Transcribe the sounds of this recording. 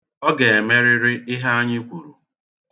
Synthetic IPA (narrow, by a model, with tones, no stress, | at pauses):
ɔ˦ɡe˨e˨me˦ɾɪ˦ɾɪ˦ʔɪ˦ɦa˦a˦ɲɪ˦kʷu˨ɾu˨